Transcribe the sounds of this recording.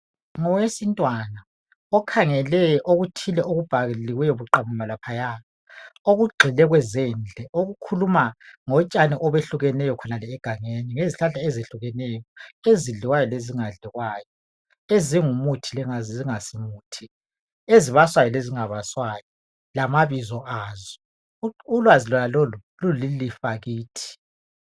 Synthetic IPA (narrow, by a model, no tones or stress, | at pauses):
ŋɔwesintʼwana | ɔkʰaŋɛlɛʔoɣutʰilɛʔoɣub̥ʱaɣliɣwɛjoβuǃamumalapʰajaːβa | oɣuɡ͡ǃʱɛlɛɣwɛzɛːnd͡ɮʱɛoɣukʰulumaŋɔt͡ʃʼaniʔɔβeɬuɣɛnɛjɔkʰɔnalɛːɡ̥ʱaŋeniŋeziɬaɮaezeɬuɣɛnɛjɔeziɮiwajɔleziŋaɮiɣwaːjɔ | eziŋumutʰilɛazziŋasimuːtʰi | eziβaswajɔleziŋaβaswajɔ | lamaβizɔʔaːzɔ | ulwazilɔnalolululilifaɣiːtʰi̥